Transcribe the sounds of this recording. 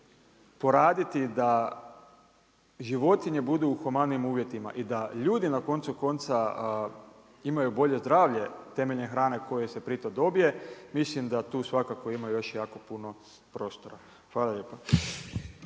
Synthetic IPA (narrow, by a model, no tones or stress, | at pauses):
po̞ɾaːd̪it̪id̪a | ʒiʋo̞t̪iɲe̞bud̪uuxomad̪nimuːʋje̞t̪ima̰ʔid̪aʎuːd̪inako̞nt̪suko̞nt̪sa | imajubo̞ʎe̞zd̪ɾaːʋʎe̞t̪e̞me̞ʎnexɾaːne̞ko̞jese̞pɾit̪od̪o̞bije̞mislimd̪at̪uːsʋakako̞imaujo̞ʃjaːko̞puno̞ | pɾo̞ːst̪o̞ɾa | xʋaːlaʎe̞ːpa